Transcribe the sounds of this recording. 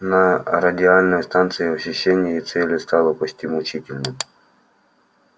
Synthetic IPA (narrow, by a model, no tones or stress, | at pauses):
nɐɾɐdʲɪalʲnəjst̪ant̪sɨjɪɔɕʲɪɕːenʲɪjəit̪sɛlʲɪst̪alˠəpɔt͡ɕʲt̪ʲimʊt͡ɕitʲɪlʲnɨm